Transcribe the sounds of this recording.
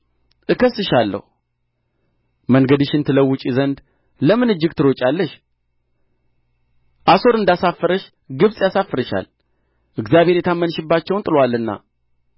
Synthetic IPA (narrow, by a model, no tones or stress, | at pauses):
ʔɨkəsːɨʃalːə̰hu | məŋɡəd̪ɨʃɨnt̪ʰɨləwːʊt͡ʃʼizənd̪ | ləmɨnɨd͡ʒːɪɡt̪ʰɨɾo̞t͡ʃʼalːəʃ | ʔaso̞ɾɨnd̪asafːəɾəʃ | ɡɨβsʼjasafːəɾəʃa̰l | ʔɨɡzjaβhe̞ɾjɛt̪ʰamːənʃɨbːat͡ʃːɛwnt̪ʼɨlwalːɨnːa̰